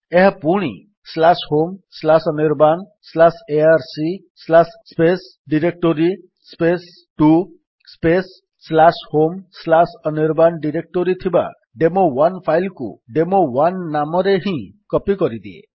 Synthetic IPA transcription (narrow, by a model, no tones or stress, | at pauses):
eɦapuɽ̃ḭ | slashomslasɔniɾban | slaseaɾsi | slasspes | ɖiɾek̚ʈoɾi | spes | ʈu | spesː | lashomslasɔniɾbanɖiɾek̚ʈoɾit̪ʰiba̰ | ɖemowanpʰajlkṵɖemowanːamɔɾeɦĩkɔpikɔɾid̪iḛ